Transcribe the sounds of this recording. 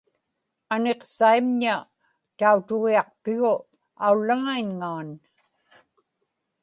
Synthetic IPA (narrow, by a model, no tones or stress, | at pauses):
ane̞qsaimɲa | t̪aut̪ʊɣiɑq̚pɪɣʊ | aulːaŋaiɲŋaːn